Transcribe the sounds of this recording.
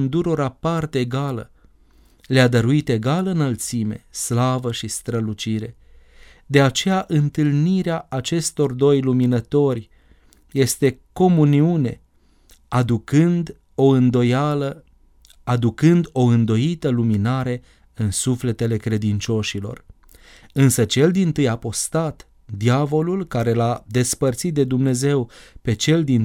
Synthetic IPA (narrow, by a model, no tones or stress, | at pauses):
nd̪uɾo̞ɾapart̪eːɡalə̰ | lead̪əɾuit̪e̞ɡalɨnəlt̪sime̞̰slavəʃist̪ɾəlut͡ʃiɾe̞ | d̪e̞at͡ʃe̞jaʔɨnt̪ɨlniɾeaat͡ʃe̞st̪o̞rd̪o̞jluminət̪o̞rʲ | je̞st̪e̞ko̞muniune̞ | aukɨnd̪ | o̞ɨnd̪ojalə | ad̪ukɨnd̪o̞ɨnd̪o̞jit̪əluminaɾe̞ | ɨnsufle̞t̪e̞le̞kɾe̞d̪int͡ʃo̞ʃilo̞̰r | ɨnsət͡ʃe̞ld̪int̪ɨjapo̞st̪at̪ | d̪iavo̞lulkaɾe̞lad̪e̞spərt̪sit̪̚d̪e̞d̪umne̞ze̞wpe̞t͡ʃe̞ld̪in